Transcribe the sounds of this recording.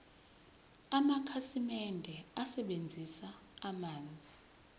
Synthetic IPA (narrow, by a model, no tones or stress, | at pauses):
amakʰasimɛndʱɛasɛɓend͡zʱisaː | maːnd͡zʱi